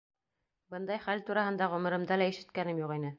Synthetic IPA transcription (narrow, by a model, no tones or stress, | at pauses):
bɤnd̪ɑjχælt̪uɾɑhɤ̆nd̪ɑʁɵ̆mɤ̆ɾɤ̆md̪ɑlæiʃɘ̆t̪̚kænɘmjuqinɘ